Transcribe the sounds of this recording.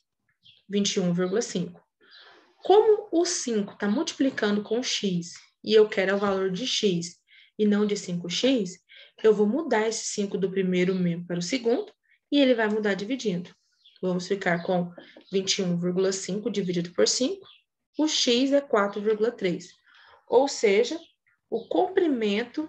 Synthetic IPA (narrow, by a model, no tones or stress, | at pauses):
vĩt͡ʃiũviɾɡulɐsĩkʊ̥ | kõmʊʊsĩŋkʊ̥t̪amuwt͡ʃi̥plikɐ̃nd̪ʊkõʊʃis | ɪewkɛɾʊawvaloɾd͡ʒɪʃis | ɪnɐ̃w̃d͡ʒɪsĩŋkʊʃisewvowmud̪aɾesɪ̥sĩŋkʊd̪ʊpɾimejɾʊmẽmpaɾʊsɪɡũnd̪ʊ | ɪelɪvajmud̪aɾd͡ʒivid͡ʒĩd̪ʊ | vɐ̃mʊsfikaɾkõvĩnt͡ʃɪũviɾɡulɐsĩŋkʊd͡ʒivid͡ʒid̪ʊpoɾsĩkʊ̥ | ʊʃizɛkwat̪ɾʊviɾɡulɐt̪ɾes | owseʒɐ | ʊkõmpɾimẽnt̪ʊ